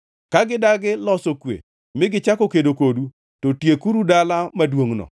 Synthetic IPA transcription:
kaɡɪdaɡɪlɔsokwḛ | mɪɡɪt͡ʃakokedokodu | totjekuɾudalamadwoŋnɔ̰

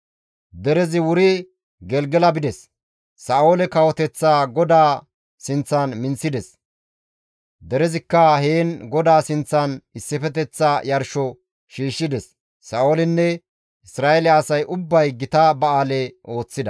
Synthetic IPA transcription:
d̪ɛɾɛzɪwʊɾɪ | ɡɛlɡɛlɐbɪd̪ɛs | saːoːlɛkɐwɔt̪ɛt͡sːaːɡɔd̪aː | sɪnt͡sːɐnmɪnsɪd̪ɛs | d̪ɛɾɛzɪkːɐheːnɡɔd̪aːsɪnt͡sːɐnɪsːɪfɛt̪ɛt͡sːajɐɾʃɔ | ʃiːʃːɪd̪ɛsː | aːolɪnːɛ | ɪsɾaːɛlɪɐːsɐjʔʊbːɐjɡɪt̪ɐbɐaːlɛʔo̞ːt͡sːɪd̪ɐ

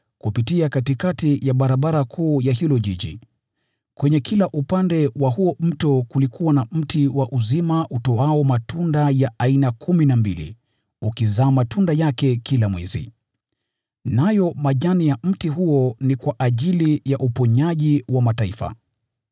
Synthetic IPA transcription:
kupitiakatikatijaɓaɾaɓaɾakʰuːjaɦilɔʄiʄi | kwɛɲɛkʰilaʔupandɛwahuɔm̩tɔkulikʰuwanam̩tiwaʔuzimaʔutɔaɔmatundajaʔainakʰuminambilḭ | ukizaːmatʰundajakɛkilamwɛ̰zḭ | najɔmaʄanijam̩tiɦuɔnikwaʔaʄilijaʔupɔɲaʄiwamataifa̰

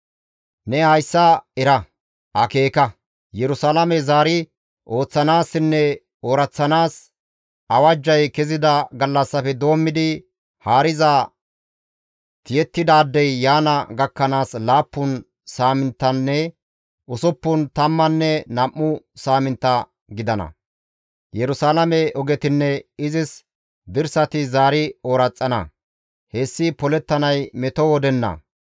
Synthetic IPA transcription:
nɛhɐjsːɐɛɾɐ | ʔɐke̞ːkɐ | jɛɾʊsalɐmɛzaːɾɪ | ʔo̞ːt͡sːɐnaːsːɪnːɛ | oːɾɐt͡sːɐnaːs | ʔɐwɐd͡ʒːɐjkɛzɪd̪ɐɡɐlːɐsːɐfɛd̪o̞ːmːɪd̪ɪ | haːɾɪzɐ | t̪ɪjɛt̪ːɪd̪aːd̪ːɛjːaːnɐɡɐkːɐnaːslaːpːʊn | saːmɪnt̪ːɐnːɛ | ʔʊsʊpːʊnt̪ɐmːɐnːɛnɐmːʊsaːmɪnt̪ːɐ | ɡɪd̪ɐnɐ̰ | jɛɾʊsaːlɐmɛʔɔɡɛt̪ɪnːɛɪzɪs | d̪ɪɾsɐt̪ɪzaːɾɪoːɾɐt͡sʼːɐnɐ̰ | heːsːɪpɔlɛt̪ːɐnɐjmɛt̪ɔwɔd̪ɛnːɐ̰

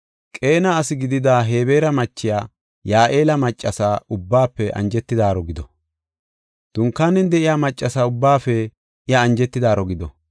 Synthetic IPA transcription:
kʼe̞ːnaːsɪɡɪd̪ɪd̪aːɦe̞ːbe̞ːɾɐmɐt͡ʃːɪjaː | jaːʔeːlɐmɐt͡ʃʼːɐsaːʔʊbːaːpːɛʔɐ̰nd͡ʒɛt̪ːɪd̪aːɾɔɡɪd̪ɔ | d̪̥ʊŋkːaːnːɛnd̪ɛʔɪjaːmɐt͡ʃʼːɐsaːʊbːaːfɛ | ʔɪjɐːnd͡ʒɛt̪ːɪd̪aːɾɔɡɪd̪ɔ

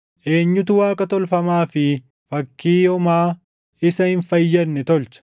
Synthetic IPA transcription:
ʔe̞ːɲːʊt̪ʊwaːkʼɐt̪ɔlfɐmaːfɪ | fɐkːiːjɔmaː | ɪsɐhɪnfɐjːɐːɛt̪ɔlt͡ʃɐ̥

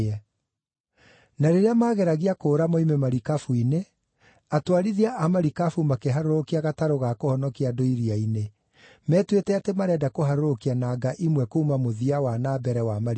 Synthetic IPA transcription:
ɛ | naɾeɾeamaːɣɛɾaɣiakoːɾamɔimemaɾikafuine | atwaɾiðiaʔamaɾikafumakeɦaɾoɾokiaɣataɾoɣakohɔnɔkiadoiɾiaine | mɛːtwetɛatemaɾɛːdakoɦaɾoɾokianaːɡaʔimwɛkoumamoðiawanaːbɛɾɛwamaɾ

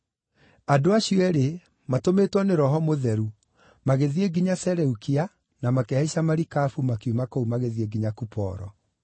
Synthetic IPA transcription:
adoaɕiɔɛɾe | matometwɔneɾɔɦɔmoðɛɾu | maɣeðieɡiɲasɛɾɛukia | namakɛaiɕamaɾikafumakiumakoumaɣeðieɡiɲakupɔ̰ɾɔ̰

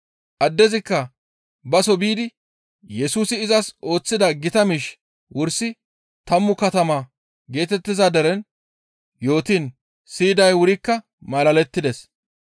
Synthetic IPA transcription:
ʔɐd̪ːɛzɪkːɐ | bɐsɔbiːd̪ɪ | jɛsuːsɪːzɐso̞ːt͡sːɪd̪ɐɡɪt̪ɐmɪʃ | wʊɾsɪ | t̪ɐmːʊkɐt̪ɐmaː | ɡe̞ːt̪ɛt̪ːɪzaːd̪ɐɾɛn | jo̞ːt̪in | siːd̪ɐjwʊɾɪkːɐ | mɐlɐlɛt̪ːɪd̪ɛs

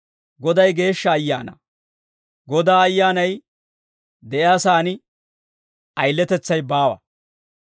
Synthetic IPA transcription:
ɡɔd̪ɐjɡe̞ːʃːɐːjːa̰ːnɐ̰ | ɡɔd̪aːɐjːaːnɐj | d̪ɛjɪaːsaːnɪ | ʔɐjlːɛt̪ɛt͡sːɐjbaːwɐ̰

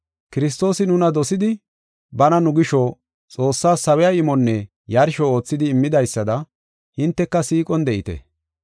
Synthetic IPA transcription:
kɪɾɪs̬t̪o̞ːsɪnʊnɐd̪ɔsɪd̪ɪ | bɐnɐnʊɡɪʃo | t͡sʼo̞ːsːaːsɐwɛjaɪmɔnːɛ | jɐɾʃɔo̞ːt͡sːɪd̪ɪːmːɪd̪ɐjsːɐd̪ɐ | hɪnt̪ːɛkːɐsiːkʼɔnd̪ɛʔɪt̪ɛ̰

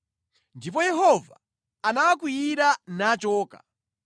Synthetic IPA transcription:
ndipɔjɛɦɔva | anawakujiɾanat͡ʃɔːka̰

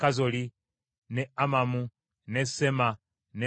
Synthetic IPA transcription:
kazoli | neamamu | nesema | ne

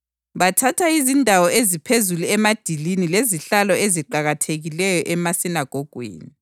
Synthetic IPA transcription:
βatʰatʰaizindʱawɔezipʰezuluɛmad̥ʱilinileziɬalɔeziǃaɣatʰeɣilɛjɔʔɛmasinaɡ̥ʱoɡ̥ʱwḭːni

